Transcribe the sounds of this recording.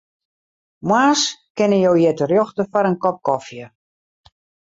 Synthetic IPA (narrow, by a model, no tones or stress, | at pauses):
mwaːskɪnəjowjɛtərjɔxtəfɔɾənkɔp̚kɔfjə